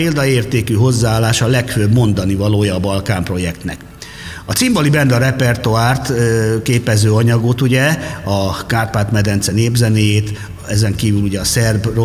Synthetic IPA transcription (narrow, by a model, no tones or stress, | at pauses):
eːld̪ɒeːrt̪eːkyɦo̞zːaaːlːaːʃɒlɛkføbmo̞nd̪ɒnivɒloːjɒːbɒlkaːmpro̞jɛkt̪nɛ̰k | ɒt̪simbolibɛnd̪ɒɾɛpɛrt̪oaːrt̪keːpɛzøːɒɲɒɡot̪uɟɛɒkaːrpaːt̪mɛd̪ɛnt̪sɛneːbzɛneːjeːt̪ | ɛzɛŋkiːvyluɟɛɒsɛrbro